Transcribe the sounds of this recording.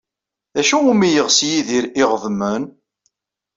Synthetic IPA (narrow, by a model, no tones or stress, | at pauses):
æʃuʊmijəʁsjiðiɾiʁðˤmən